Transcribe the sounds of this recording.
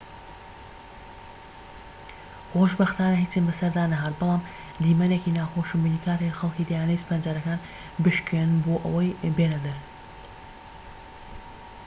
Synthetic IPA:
xoʃbɐxt̪aːnɐɦiːt͡sɨnbɨsɐɾd̪aːnɐɦaːt̪̚bɨlˠaːm | d̪iːmɐnekinaːxoːʃɨmbinikʰaːɾexɐlˠkiːd̪ajaːnɛjsɨ̥pand͡ʒaːɾɐkaːn | bɨʃkennboːʔɐ̰wɐjbeːnɐd̪ɐɾ

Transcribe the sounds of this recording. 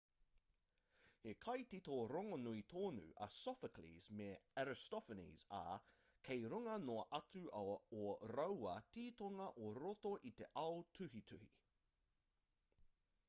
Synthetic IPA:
hekʰɐjt̪it̪oɾoŋonuit̪ʰoːnʉ̰ʔɐ̰sɔfəklḭzmeɛɾɪst̪ɔfənḭːza̰ | kʰejɾuŋɐnoɐʔɐt͡sʉʔɐoɾowɐt̪iːt̪oŋɐʔoɾot̪oʔit̪eʔɐwt̪ʰʉɦit̪ʰʉhi

